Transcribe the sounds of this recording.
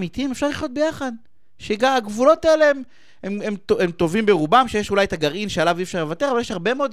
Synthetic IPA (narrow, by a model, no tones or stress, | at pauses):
mit̪imefʃaʁliχjo̞t̪̚bejaχad̪ | ʃeɡaaɡvulo̞t̪aeleem | ememtoemt̪ovimbeʁubamʃejeʃulajet̪aɡaʁinʃealaviːfʃaʁlevat̪eʁavaljeʃhaʁbe̞meod̪